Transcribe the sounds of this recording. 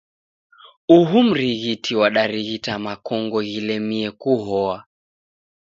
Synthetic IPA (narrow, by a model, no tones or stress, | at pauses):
uɦum̩ɾiɣitʰiwaɗaɾiɣitamakɔŋɡɔɣilɛmiɛkuɦɔa